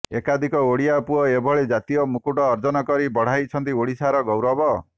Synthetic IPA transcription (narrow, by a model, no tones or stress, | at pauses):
ekad̪ʱikɔoɽijapuɔebʱɔɭed͡ʒat̪ijɔmukuʈɔːɾd͡ʒɔnɔkɔɾibɔɽ̤ajt͡ʃʰɔnt̪ioɽisaɾɔɡɔwɾɔbɔ